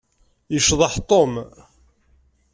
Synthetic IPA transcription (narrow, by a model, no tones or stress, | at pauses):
jəʃðˤɑħt̪ˤom